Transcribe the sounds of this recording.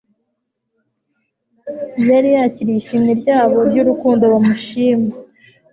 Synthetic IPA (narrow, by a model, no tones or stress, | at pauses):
jaɾijaciɾijiʃiːmɲeɾɟaːβo̞ɾɟuɾukuːndoβamuʃiːma